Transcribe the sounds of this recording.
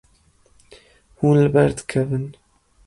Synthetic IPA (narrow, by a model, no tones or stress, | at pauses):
huːnlɨbɛɾd̪ɨ̥kʰɛvɨn